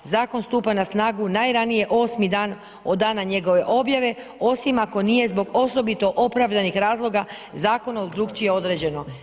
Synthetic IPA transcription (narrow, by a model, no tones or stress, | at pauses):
zaːko̞nst̪uːpanasnaːɡunajɾanije̞ʔo̞ːsmid̪aːn | o̞d̪ːaːnaɲe̞ɡo̞ʋe̞ʔo̞bjaʋe̞ | o̞simako̞nije̞zbo̞ɡo̞so̞bit̪o̞ʔo̞pɾaʋd̪anixɾaːzlˠo̞ɡazaːko̞naod̪ɾuɡt͡ʃijeo̞d̪ɾed͡ʑe̞no̞